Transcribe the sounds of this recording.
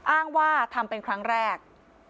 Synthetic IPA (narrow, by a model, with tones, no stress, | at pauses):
ʔaː˥˩ŋwaː˥˩t̪ʰa˧mpe˧nkʰɾa˦˥ŋɾɛː˥˩k̚